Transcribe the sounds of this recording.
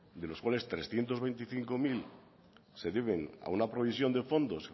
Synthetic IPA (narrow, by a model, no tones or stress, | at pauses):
d̪e̞loskwale̞st̪ɾe̞sθje̞nt̪o̞zβe̞jnt̪iθiŋkomil | se̞ðeβ̞ena̰unapɾo̞β̞isjo̞nd̪e̞fo̞nd̪o̞s